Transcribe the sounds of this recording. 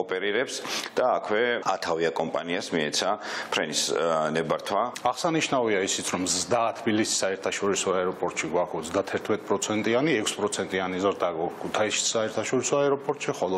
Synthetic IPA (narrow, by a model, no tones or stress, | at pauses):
ɔpʼɛɾiɾɛpsd̪̥aːkʰwɛat̪ʰaviakʼɔmpʼaniasmiɛt̪sʰapʰɾɛnisnɛbaɾt̪ʰwaaʁsaniʃnaviaisit̪sʰɾɔmzd̪at̪ʰbilisi̥sːaɛɾt̪ʰaʃɔɾisɔaɛɾɔpʼɔɾt̪ʼʃiɡwakʰɔsd̪at̪ʰɛɾt̪ʰmɛt̪ʼpʼɾɔt̪sʰɛnt̪ʼianiɛkʰspʼɾɔt̪sʰɛnt̪ʼianizɾd̪aɡakʰkʰut̪ʰaisi̥aɛɾt̪ʰaʃɔɾisɔaɛɾɔpʼɔɾt̪ʼʃiχɔlɔ